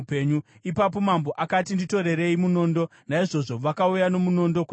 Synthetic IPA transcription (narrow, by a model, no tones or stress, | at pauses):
peɲuipapo̞mambo̞ʔakat̬indito̞ɾe̞ɾe̞imuno̞ːndo̞naiʐo̞ʐo̞ʋakaujano̞muno̞ndo̞k